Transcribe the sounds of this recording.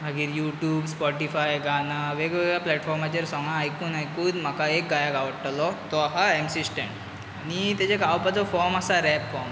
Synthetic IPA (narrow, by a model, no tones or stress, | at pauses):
mʱaɡiːɾjuʈjuːbspɔʈifajɡanaʋeɡʋeɡjaplɛʈfɔɾmat͡ɕeɾsɔ̃ŋɡãːjkuːnajkuːd̪m̤akaek̚ɡajakaʋəɽʈalɔt̪ɔɦaɛmsisʈẽɳʈ | anit̪at͡ɕekawpat͡sɔfɔɾmasaɾɛpfɔm